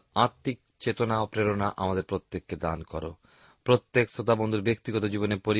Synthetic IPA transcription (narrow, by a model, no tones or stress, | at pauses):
aɾt̪ːik̚ | t͡ɕet̪onaopɾeɾonaʔamad̪eɾpɾot̪ːekːed̪ankɔɾo̰ | pɾot̪ːeksot̪abond̪ʱuɾbek̚t̪iɡɔt̪od͡ʑibonepoɾi